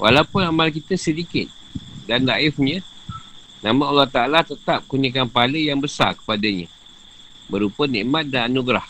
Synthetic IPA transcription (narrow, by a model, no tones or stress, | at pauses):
wʔa̰laupʊnamalkit̪əsədikɪt̪̚ | danlaʔɪfɲə̃ | nãmãnalːaht̪aalat̪ət̪ap̚kunikanpaləjaŋbəsa̰kə̥padəɲə̰̃ | bəɾupənĩʔmat̪̚dananuɡɾah